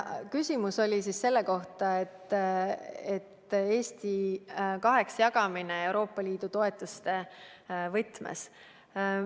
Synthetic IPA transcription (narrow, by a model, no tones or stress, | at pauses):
kysʲimuso̞lʲisisse̞lːe̞ko̞ht̪ɑe̞t̪ːˑ | et̪ːe̞ːst̪ikɑɦe̞ksjɑɡɑmineewɾo̞ːpˑːɑliːd̪̥ut̪o̞e̞t̪ːˑust̪e̞vɤt̪mḛs